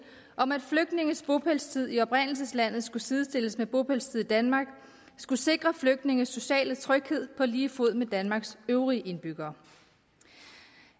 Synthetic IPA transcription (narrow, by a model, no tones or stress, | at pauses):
ʔɒ̽mæd̥fløɡ̥̚d̥ne̝ŋəsb̥o̝pʰelst͡sʰið̞̰ˠiɒ̽pʁen̰l̩s̬əslæn̰ð̩ˠsɡ̥usið̞ˠəsd̥e̝l̰əsmeb̥o̝pʰelst͡sʰið̞̰ˠid̥ænmɑ̈ːɡ̥ | sɡ̥use̝ɡ̥ʁɐfløɡ̥̚d̥ne̝ŋ̩sːo̝ɕɛ̰ːlət͡sʰʁœɡ̥he̝ð̰ˠpʰɒ̽liːfo̝ð̞̰ˠmed̥ænmɑ̈ːɡ̥søʊʁiʔe̝nb̥yɡ̥ɐː